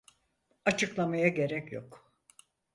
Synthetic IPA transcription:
at͡ʃʰɯklˠamajaɟe̞ɾɛcjo̰k

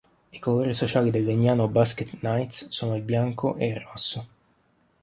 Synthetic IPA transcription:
ikoloːɾisot͡ʃaːlid̪elːeɲːaːnobasket̪najt̪ssoːnoilbjaŋkoʔeirːɔsːo

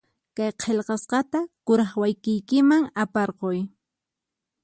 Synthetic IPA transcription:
kajqʰeʎqɑsqɑt̪akʊɾɑχwajkɪjkɪmaŋapɑɾqoj

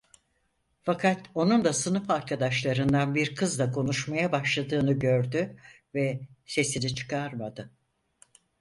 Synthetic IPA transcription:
fakʰat̪o̞nund̪asɯnɯfaɾkʰad̪aʃlˠaɾɯnd̪anbiɾkʰɯzd̪akʰo̞nuʃmajabaʃlˠad̪ɯːnɯɟøɾd̪y | vɛse̞sinit͡ʃʰɯ̥kʰaɾmad̪ɯ

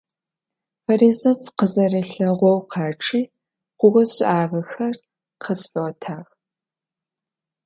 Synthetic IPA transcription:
fɐɾiːzɐsqəzɐriːɬɐʁʷɔwqʰɑːʈ͡ʂʰʼiː | qʷʊɣʷɔɕʼʔaːɣɐxɐr | qʰəsfʼɐwɔtʰaːx

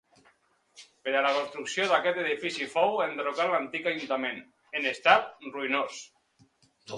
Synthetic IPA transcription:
peɾalakonst̪ɾuksjoðakɛt̪eð̞ifisifowend̪ɾokalant̪ikaʒunt̪amẽn | enest̪at̪̚ruinos

